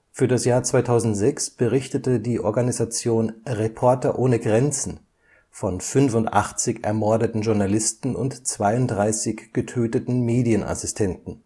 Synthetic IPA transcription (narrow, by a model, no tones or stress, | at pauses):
fyːɐɾasjaːɐt͡sv̥aɪtʰaʊzn̩tz̥ɛksb̥əʁɪçtətədiːʔɔɐɡanizat͡sjoːnʁepʰɔɐtɐʔoːnəɡʁɛnt͡sn̩ | fɔnfʏnfʊntʔa̰χt͡sɪçɛ̰ɐmɔɐdətn̩ʒʊɐnalɪstn̩ʊ̰ntt͡sv̥aɪʊntdʁaɪsɪçɡ̥ətʰøːtətn̩meːdiənʔa̰sɪstʰɛntn̩